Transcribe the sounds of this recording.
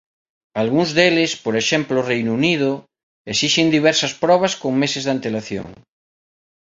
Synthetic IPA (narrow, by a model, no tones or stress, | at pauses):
alɣuŋzðelespoɾeʃemplorejnunið̞o | esiʃend̪iβ̞ɛɾsɐspɾɔβ̞askoŋmesezðant̪elaθjo̰ŋ